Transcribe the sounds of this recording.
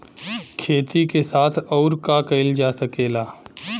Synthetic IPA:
kʰeːt̪ikesaːt̪ʰɔːɾkakɐɪld͡ʒaːsəkeːlaː

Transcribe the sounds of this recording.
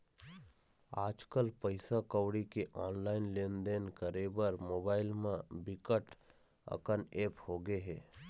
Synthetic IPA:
aːd͡ʒkəlpəɪsakəwɽikeʔaːnlaːɪnlẽːnd̪eːnkəɾebəɾmoːbaːɪlmẽbɪkəʈ | ə̰kəneːphoɡeɦɛː

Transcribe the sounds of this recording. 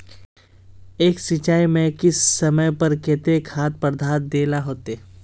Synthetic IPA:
eːksɪt͡ʃaːimẽkɪsːɐməjpɐɾket̪ekʰaːt̪̚pəɾd̪ʱaːt̪̚d̪eːlaɦoːt̪eː

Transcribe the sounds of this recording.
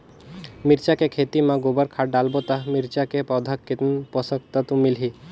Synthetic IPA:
mɪɾt͡ʃakekʰeːt̪imãɡobəɾkʰaːɖaːlbot̪amiɾt͡ʃakepɔːd̪ʱakːet̪npɔsəkt̪at̪umɪlɦi

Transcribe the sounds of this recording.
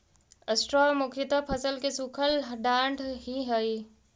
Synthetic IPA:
əsʈɾɔːmʊkʰɾɪt̪apʰəsəlkesukʰəlɖãːɳɖɦiɦɛi

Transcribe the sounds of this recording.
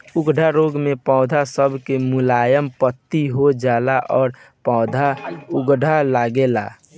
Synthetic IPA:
uɡɖʱaɾoɡmepɔ̃ʊd̪ʱasəbʱkemʊlajəmpət̪ːiɦod͡ʒalaʔɔːɾ | pɔ̃ʊd̪ʱauɡɖʱalaɡela̰

